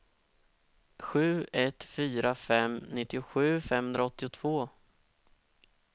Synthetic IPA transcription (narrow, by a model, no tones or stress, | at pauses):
ɧʉ̟ːɛt̪fyːɾafɛmnɪt̪ːɪʊɧʉ̟ːfɛmːhɵnd̪ɾaɔt̪ːɪʊt̪ʰv̥oː